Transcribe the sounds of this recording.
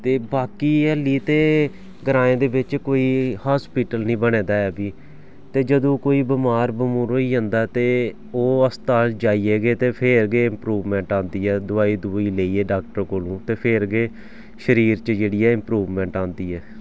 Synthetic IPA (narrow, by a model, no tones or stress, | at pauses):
t̪eːbaːkiːɛlːiːt̪eː | ɡəɾãːẽːd̪eːbɪt͡ʃkoːiːhaːspiːʈəlnĩːbəɽẽːd̪aːɛːbiː | t̪eːd͡ʒəd̪õːkoːiːbəmaːɾbəmũːɾoːiːd͡ʒãːnd̪aːt̪eː | oːəst̪aːld͡ʒaːiːeːɡeːt̪eːpʰeɾɡeːɪ̃mpɾuːʋmɛ̃ːɳʈãːnd̪iːɛːd̪ʊaːiːd̪ʊiːleːiːɛːɖaːk̚ʈəɾkoːlũːt̪eːpʰeɾɡeː | ʃəɾiːɾt͡ʃd͡ʒeːɽiːɛːɪmpɾuːʋmɛ̃ːɳʈãːnd̪iːɛː